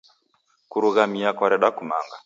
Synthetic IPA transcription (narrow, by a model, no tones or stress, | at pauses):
kuɾuɣamiakwɔɾɛɗakuma̰ŋɡa